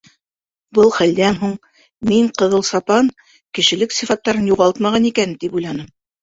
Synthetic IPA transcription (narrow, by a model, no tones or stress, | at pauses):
bɤlˠχæld̪ænɦuɴ | miɴqɤ̆ðɤlˠsɑpɑn | kɘ̆ʃɘ̆lɘksifɑt̪ːɑɾɤnjuʁɑlˠt̪mɑʁɑnikænt̪ipujlˠɑnɤm